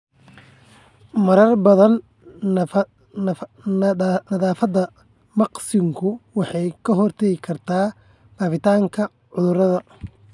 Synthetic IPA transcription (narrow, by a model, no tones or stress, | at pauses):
mɐɾɐrbɐðɐn | nɐðaːfɐd̪ɐ | mɑqsɪŋkʰʊwɑħɑjkʰɐɦɔrt̪ʰɛɣɪkʰɐrt̪ʰaː | ɡ̥aːfɪt̪ʰaːŋkʰɐ | ʕʊðʊɾɐðɐ